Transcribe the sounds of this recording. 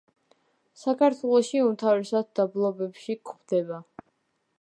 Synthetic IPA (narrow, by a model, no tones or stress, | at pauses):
sakʰaɾt̪ʰwɛlˠɔʃiumt̪ʰavɾɛsad̪̚d̪ablˠɔbɛpʃikχvd̪ɛba